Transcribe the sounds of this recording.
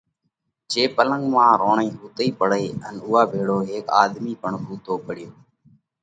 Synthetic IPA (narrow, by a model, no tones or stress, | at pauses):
d͡ʒeːpələ̃ŋɡmãːɾoːɳĩːɦuːt̪iːpəɽeːənʊːaːbʱeːɽoːɦeːka̰ːd̪miːpəɳɦuːt̪oːpəɽɪjoː